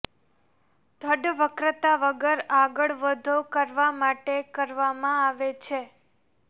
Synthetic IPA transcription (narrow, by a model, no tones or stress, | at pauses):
d̪ʱəɖʋəkɾət̪aʋəɡəɾaɡəɭʋəd̪ʱokəɾʋamaʈekəɾʋamãaʋet͡ʃʰe